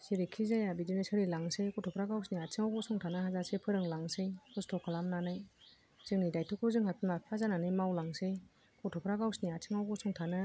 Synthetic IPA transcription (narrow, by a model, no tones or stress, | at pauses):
seɾikʰizajabidinɯsɯɾilaŋsejkɔtʰɔpʰɾaɡawsniatʰiŋawɡɔsʰɔŋtʰanɯɦazasepʰɯɾɯŋlaŋsejkɔstʰɔkʰalamnanɯj | z̥ɯŋnidajtʰɔkʰɔzɯŋhapʰimapʰazananɯjmawlaŋsej | kɔtʰɔpʰɾaɡawsniatʰiŋawɡɔsɔŋtʰanɯ